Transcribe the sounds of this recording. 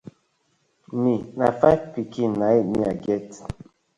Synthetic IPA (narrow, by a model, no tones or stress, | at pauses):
minafajvpikinajmḭaɡɛt